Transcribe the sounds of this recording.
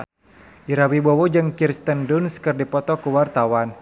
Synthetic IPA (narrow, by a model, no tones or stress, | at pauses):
ʔiɾawibɔwod͡ʒɨŋkirst̪əndunskɨrdipɔt̪ɔkuwart̪awan